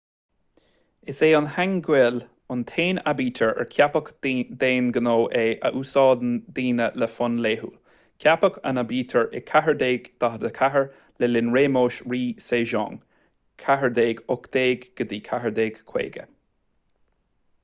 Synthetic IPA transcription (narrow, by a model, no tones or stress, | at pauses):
ɪseːʊnhaŋɡwɪl | ʊnt̪ʰeːnabiːt̪ʰəɹɛ̰ɹkʰjapəkd̪eːnɡənoːʔeːʔə̰ʔuːsɑːd̪nd̪iːnələfʊnleːɦṵ | kʰjapəkʰə̰nabiːt̪ʰəɹʔɛkʰaɦəɹd̪eːɡd̪̥aɦəd̪əkʰaɦəɹ | lɛlɪnɹeːmoːʃɹiːseːʒɔ̰ːŋ | kʰaɦəɹd̪eːɡʊkd̪̥eːɡɡ̥əd̪iːkʰaɦəɹd̪eːɡ̥kʰwḛːɡə̰